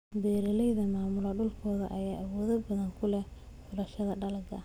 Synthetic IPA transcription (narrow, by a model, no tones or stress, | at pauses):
bɛːɾɐlɛjðɐmaːmʊlɐɖʊlkʰɔːðɐ̰ʔɐjaːʔɐwɔːðɐbɐðɐŋkʰʊlɛ | fʊlɐʃɐðɐɖɐlɐɡɐ̰